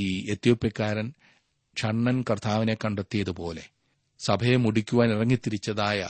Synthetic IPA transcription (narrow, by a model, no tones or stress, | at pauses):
iet̪joːpjɐkːaːɾɐn | ʂɐɳːɐnkɐrt̪ʰaːʋine̞kːɐɳɖet̪ːijɐðupo̞ːle̞ | sɐbʱɐjemuɽikʲːuʋaːnirɐŋːit̪ːiɾit͡ɕːɐðaːjɐ